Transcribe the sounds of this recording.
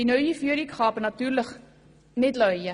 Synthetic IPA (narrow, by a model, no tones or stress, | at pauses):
inœɥifiəɾikχɑːpənɐtyːrləχ | nɛtlœɥjə